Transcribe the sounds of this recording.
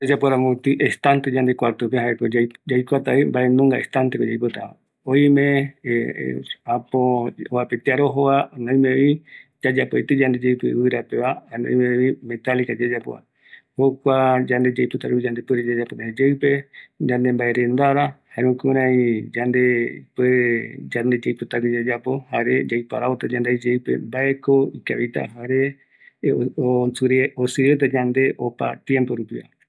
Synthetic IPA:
d͡ʒad͡ʒapoɾãmot̪ɨʔest̪ant̪ed͡ʒand̪e̞kʷaɾt̪opeɦaekod͡ʒajkʷat̪aimbaʔenũŋɡaest̪ant̪ekod͡ʒajpot̪a̰a̰ | ojmḛ̃ | apooβapet̪eaɾoɦoβanãĩmẽid͡ʒad͡ʒapoḛt̪ɨd͡ʒand̪e̞d͡ʒejpɨ̰βɨɾapeβanã̰meimẽ̞t̪alikad͡ʒad͡ʒapo̰a̰ | hokʷad͡ʒand̪e̞d͡ʒajpɨt̪aɾuid͡ʒand̪epɨɾed͡ʒad͡ʒaponad͡ʒeɨpe̞d͡ʒãnd̪embaeɾẽnd̪aɾahaẽũkũɾ̃ãĩd͡ʒand̪eped͡ʒand̪ed͡ʒajpɨt̪akid͡ʒad͡ʒapo̞haɾed͡ʒajpaɾaot̪ad͡ʒãnd̪ed͡ʒewpḛmbaeko̞ikaβit̪a̰ɦaɾe | osɨɾeosɨɾet̪̬ad͡ʒãnd̪e̞ʔopa̰t̪jempoɾupiβa̰

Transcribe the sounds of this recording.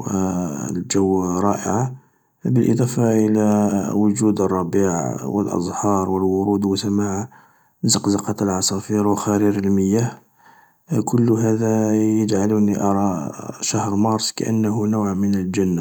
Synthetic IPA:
wəld͡ʒəwːɾˤɑʔə̰ʕa | bəlʔə̰d̪ˤɑfɑʔəlæwʊd͡ʒud̪ərˤːɑbiʕa̰wə̰lʔɑ̰zˤhɑɾˤwəlwʊɾud̪wəsəmaʕ | zɑqzɑqɑt̪əlʕɑsˤɑfiɾwəxæɾiɾəlməjːæh | kʰʊlːɦæd̪æjəd͡ʒʕaluniʔɑɾˤɑʃahɾmɑɾˤsˤka̰ʔə̰nːəɦʊnuwʕmənəld͡ʒænːa

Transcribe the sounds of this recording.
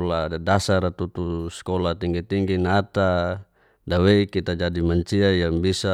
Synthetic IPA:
ladasaɾat̪ut̪uskolat̪iŋɡit̪iŋɡinat̪a | daweikit̪ad͡ʒadimaɲt͡ʃiajaŋbisa

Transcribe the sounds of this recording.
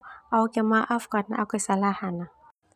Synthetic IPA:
aukɛmaʔafkatna̰akʷesalahana

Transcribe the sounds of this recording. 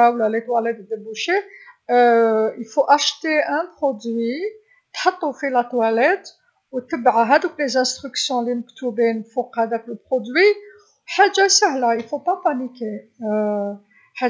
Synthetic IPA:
awlælet̪wælæd̪d̪əbuʃe | ʔəfoʔæʃt̪eʔæ̃pχod̪wi | t̪ħɑt̪ˤːufilæt̪wælɛt̪ | wt̪ːəbʕɦæd̪əklezæ̃st̪ʁyksjɔ̃linəkt̪ubinfuqhæd̪ækləpχod̪wi | ħaʒːasahlæəfopapanike | ħa

